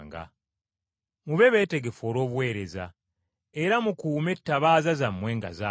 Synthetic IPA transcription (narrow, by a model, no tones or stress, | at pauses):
ŋɡa̰ | muβe̞βe̞ːte̞ɡe̞fo̞ːlo̞ːβwe̞ːɾe̞za̰ | e̞ɾamukuːme̞tːaβaːzazamːwe̞ːŋɡa̰za